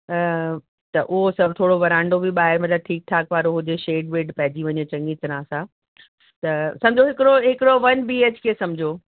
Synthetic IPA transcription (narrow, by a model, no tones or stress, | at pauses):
t̪ɐʔʊɦosɐbʱt̪ʰoːɽoʋɐɾãːɪɳɖobɪɓaːɦɪɾmɐt̪ləb̚ʈʰiːk̚ʈʰaːkʋaːɾoɦʊd͡ʑeʃeːɖʋeːʈpɐɦɪd͡ʑiʋɐɲet͡ɕɐ̃ŋɡit̪ɪɾaːsã | t̪ɐsɐ̃md͡ʑʱoɦɪkɪɾoɦɪkɪɾoʋɐnbiːeːt͡ɕkʰeesɐmɪd͡ʑʱo